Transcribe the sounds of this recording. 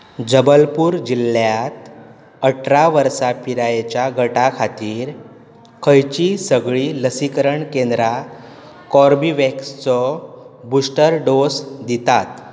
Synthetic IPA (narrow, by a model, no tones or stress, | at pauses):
d͡zəbəlpuːɾd͡ʑilːjat̪ | əʈʰɾaʋəɾsapiɾajet͡ɕjaɡəʈakʰat̪iːɾ | kʰəjt͡ɕisəɡɭiːləsikəɾəɳkend̪ɾa | kɔɾbiʋekst͡sɔbusʈəɾɖosd̪it̪at̪